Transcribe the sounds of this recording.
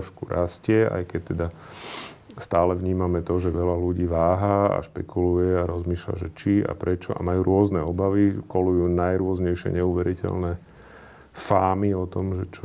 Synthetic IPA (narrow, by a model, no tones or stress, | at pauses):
ʃkuɾascɪɛa̰jkɛc̚t̪ːɛd̪a | st̪aːlɛʋɲiːmamɛt̪ɔʒɛʋɛlaluɟiːʋaːɦaa̰ʃpɛkulujɛaɾɔzmiːʃla̰ʒɛt͡ʃia̰pɾɛt͡ʃɔʔa̰majuːɾʊɔznɛɔbaʋikɔlujuːnajɾʊɔzɲɛjʃɪɛ̰ɲɛuʋɛɾicɛ̰lnɛ | faːmiɔt̪ɔmʒɛt͡ʃɔ